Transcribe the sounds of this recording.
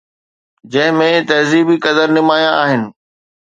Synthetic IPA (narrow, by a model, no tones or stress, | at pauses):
d͡ʑɐ̃ɦɪ̃mẽt̪ɐɦziːbikɐd̪əɾnɪmaːjãaːɦɪnɪ̆